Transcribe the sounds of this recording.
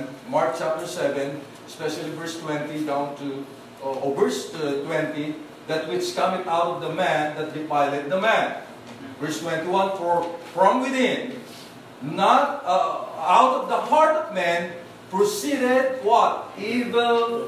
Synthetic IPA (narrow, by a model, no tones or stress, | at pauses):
maɹk̚t͡ʃap̚t̪əɹsɛvɛ̃n | spɛʃalivɛɹst̪wɛ̃nt̪id̪ãwnt̪u | vɛɹst̪wɛ̃nt̪i | d̪ɐt̪̚wɪt͡ʃkʌ̃mɪt̪awt̪ɔvd̪ɐmæ̃nd̪ɐt̪̚dipajlɛt̪̚d̪ɐmæ̃n | vɛɹst̪wɛ̃nt̪iwʌ̃nfɔɹfɹʌ̃mwɪðɪ̃n | nat̪̚ | awt̪ɔvd̪ɐhaɹt̪ɔvmɛ̃n | pɹosidɛd̪̚wʌt̪̚ivɛ̃n